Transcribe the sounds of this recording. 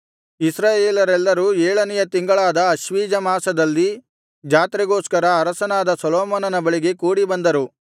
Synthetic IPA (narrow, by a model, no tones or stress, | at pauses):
isɾaːjeːlɐɾɛlːɐɾuːɛːɭɐnɛjɐt̪iŋɡɐɭaːd̪ɐɐʃʋiːd͡ʒɐmaːsɐd̪ɐlːi | d͡ʒaːt̪ɾiɡoːskɐɾɐːɾɐsɐnaːd̪ɐsɐlɔːmɐnɐnɐbɐɭiɡe̞kuːɽibɐnd̪ɐɾu